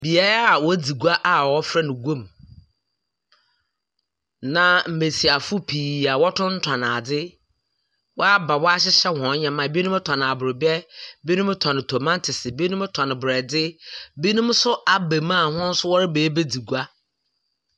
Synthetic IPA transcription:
bi˨a˦ɾa˨wɔ˦d͡zi˨ɡu˦a˦ʔa˦wɔ˦fɾɛ˦nʊ̃˨ɡõ˦˨m | nã˨m̩˨me˨si˨a˨fʊ˦pʰiː˨a˨wɔ˦tʰʊ̃˦n̩˦tʰa˨nã˨dɪ˦ | wɔ˦a˦ba˨wɔ˦a˦ɕ̬ɪ˦ɕɛ˦hɔ̃˨˦ɲɛ̃˨mã˨bi˦nũ˦tʰã˨nɪ̃˨a˨bʊ˨ɾɪ˨bjɛ˦bi˦nũ˦m˦tʰa˨nɪ̃˨tʰo˨mã˦ntʰɪ˨sɪ˨bi˦nũ˦m˦tʰã˨nɪ̃˨bɾɛ˨dɪ˦bi˦nũ˦msʊ˦ʔa˦be˨mã˦˨hʊ̃˦n̩˦sʊ˦wɔ˦ɾɪ˦beː˨˦be˦di˨ɡu˦a˦

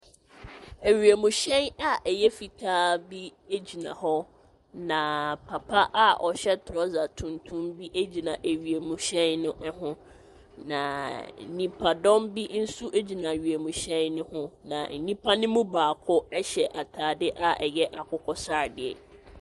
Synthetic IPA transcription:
æ˨ɥi˨e˨mũ˨ɕɛ̃˦na˦ʔɛ˨jɛ˦fi˨tʰaː˦bi˦e˦d͡ʑi˨nã̰˨ɦɔ˦ | nã˨pʰa˨pʰa˦ʔa˦ʔɔ̰˨ɕɛ˦tʰʊ˨ɾɔ˦za˨tʰũ˨ntʰũ˦mbi˦ʔe˦d͡ʑi˨nã˨ʔe˨ɥi˨e˨mũ˨ɕɛ̃˦nːʊ̃˦ʔɛ˦ɦʊ̃˦ | nã˨nĩ˦pʰa˨dɔ̃˦mbi˦n̩˦su˦ʔe˦d͡ʑi˨nã˨ɥɥe˨mũ˨ɕɛ̃˦nːʊ̃˦hʊ̃˦nã̰˨n̩˨nĩ˦pʰa˦nɪ̃˦mũ˦baː˨kʰʊ˦ɛ˦ɕɛ˨ʔa˨tʰaː˨dɪ˦ʔa˨ʔɛ˨jɛ˦ʔa˨kʰʊ˦kʰɔ˦sa˦˨dɪ˨ɛ̰˨

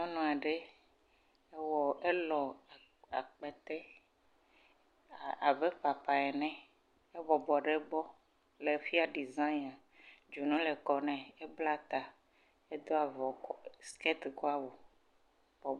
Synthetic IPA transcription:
ɲɔ̃˦nɔ̃˨a˨ɖe˦ | e˦wɔ˨e˦lɔ˨ | a̰˨k͡pɛ˨t̪ɛ˦˨ | a˨βe˦ɸa˨pa˨ɛ˨nɛ̃˦ | e˦bɔ˨bɔ˨ɖe˦bɔ˦ | le˨fi˦a˦ɖi˨zã˦na˨ | d͡ʒu˨nũ˦le˨kɔ˨nɛ̃˨e˦bla˦t̪a˨ | e˦d̪o˦a˨vɔ˨ɔ˨skɛ˦t̪ko˦a˦wo˨ | bɔ˨

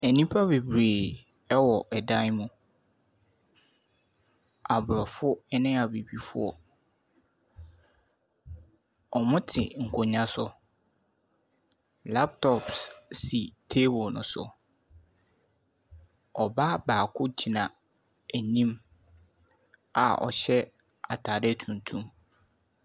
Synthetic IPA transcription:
æ˨nĩ˦pʰa˦be˨bɾeː˨ | ɛ˦wɔ˨ʔɛ˨dã˦n˦mũ˨ | a˨bʊ˨ɾɔ˨fʊ˦ɛ˦nɪ̃˦a˨be˨bi˨fʊ˦ɔ̰˨ | ɔ˨mʊ̃˦tʰɪ̰˨ŋ̩˨kʰʊ˨ɲã˦sʊ˨ | la˦p̚tʰɔ˨pssi˨tʰe˦bɔ˨nʊ̰̃˨sʊ̰˨ | ɔ˨ba˦baː˨kʰʊ˦d͡ʑʰi˨nã˨ | æ˨ɲĩ˦m | a̰˨ɔ̰˨ɕɛ˦ | a˨tʰaː˨dɛ˦˨tʰũ˨ntʰũ˦m

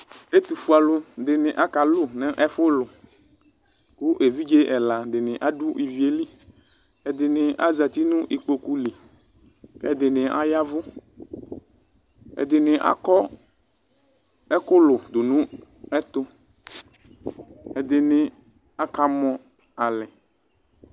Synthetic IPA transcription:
e˦t̪u˨fu˦a˨lʊ˦dɪ˨nɪ̃˨ʔa˦ka˨lʊ˦nɛ̃˦ʔɛ˦fʊ˦lʊ˨ | kʊ˦ʔe˨vi˦d͡ʒe˦ʔɛ˨la˨dɪ˨nɪ̃˨ʔa˦du˦i˨vi˨˦e˦li˦ | ɛ˨d̪ɪ˨nɪ̃˨ʔa˦za˨t̪i˦nʊ̃˦ʔi˨k͡po˨ku˦li˨ | kɛ˦˨d̪ɪ˨nɪ̃˨ʔa̰˦ja˦vʊ˦ | ɛ̰˨d̪ɪ˨nɪ̃˨ʔa̰˦kɔ˦ | ɛ˦kʊ˦lʊ˨d̪ʊ˨nũ˦ | ɛ˦t̪ʊ˦ | ɛ˨d̪ɪ˨nɪ̃˨ | a˦ka˨mɔ̃˨ | a˨lɛ˨

